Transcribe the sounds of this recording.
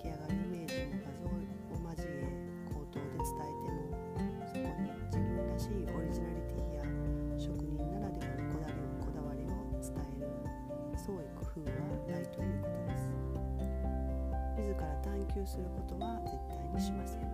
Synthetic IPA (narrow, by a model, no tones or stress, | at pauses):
kʲiaɡaɾime̞ːɕõnkazo | omaʑime | kʰo̞ːt̪o̞ːd̪e̞t͡sɨ̥t̪ae̞t̪e̞mo | st̪o | d͡ʑibɯ̟̃nɾaɕiːʔo̞ɾʲiʑinaɾʲit̪ijaɕo̞kɯ̟ɲ̟ĩŋkaɾad̪e̞kʲiɾɯ̟ko̞d̪aɾʲinoko̞d̪aβ̞aɾʲio̞t͡sɨ̥t̪ae̞ɾɯ̟ | so̞ːikɯ̟̥ɸɯ̟ːɡanait̪o̞jɯ̟ːko̞̥t̪o̞d̪esɨ̥ | mʲizɨkaɾat̪ãŋkʲɨːsɨɾɯ̟ko̞t̪o̞βaze̞t̪ːaiɲiɕimas